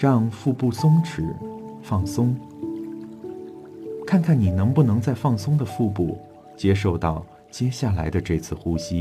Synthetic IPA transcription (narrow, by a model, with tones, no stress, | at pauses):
ɻɑ˥˧ŋfu˥˧pu˥˩sʊ˥ŋʈ͡ʂɻ̩˨˩˦ | fɑ˥˩ŋsʊ˥ŋ | kʰa˥˧nkʰa˥˩nni˨˩nɤ˧˥ŋpu˥˩nɤ˧˥ŋt͡sa˥˧ɪfɑ˥˩ŋsʊ˥ŋd̪ə˨fu˥˧p̬u˥˩ | t͡ɕjɛ˥ʂ̬o˥˧ʊt̪ɑ˥˩ʊ | t͡ɕjɛ˥ɕja˥˩la˧˥ɪd̪ə˧ʈ͡ʂɤ˥˧t͡sʰɹ̩˥˩xu˥ɕi˥